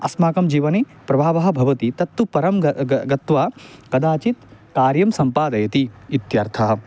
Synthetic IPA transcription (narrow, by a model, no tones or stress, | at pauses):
ɐsmaːkɐmd͡ʒiːʋɐne | pɾɐbʱaːʋɐɦɐ̆bʱɐʋɐt̪it̪ɐt̪ːupɐɾɐmɐɡɐt̪ʋaːkɐd̪aːt͡ʃit̪kaːɾjɐmsɐmpaːd̪ɐjɐt̪iit̪jɐɾt̪ʰɐɦɐ̆